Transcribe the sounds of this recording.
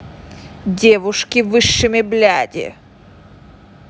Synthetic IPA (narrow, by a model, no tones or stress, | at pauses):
dʲevʊʂkʲɪvɨʂːɨmʲɪblʲadʲɪ̰